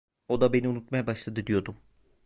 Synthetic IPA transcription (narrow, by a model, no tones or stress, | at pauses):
od̪abeniunut̪majbaʃlˠad̪ɯd̪ijod̪um